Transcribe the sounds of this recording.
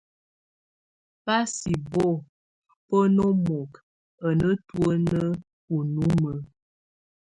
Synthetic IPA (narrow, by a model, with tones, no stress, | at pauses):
pa˦si˨bo˦˨ | pə˦no˦mɔ˨k | ə˨nə˦twə˦nə˦ | u˨nu˦mə˨